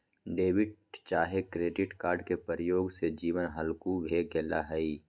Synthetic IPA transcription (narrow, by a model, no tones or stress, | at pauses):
ɖeːʋɪʈ̚t͡ʃaːɦekɾeːɖɪʈkaːɾɖkepəɾəjoːɡsed͡ʒiːʋənɦəlkubʱeːɡɛːla̰ɦəi